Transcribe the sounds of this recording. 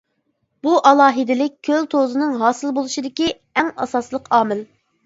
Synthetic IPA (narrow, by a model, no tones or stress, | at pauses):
b̥uʔɑlˠɑːɦɨd̪ɪlɪk̚ʲkʲʰːølt̪ʰozɨnɨŋɦɑːsɨlˠbolˠuʃid̪ɪkʲi | ɛŋɑ̰sɑslˠəqɑːmɪl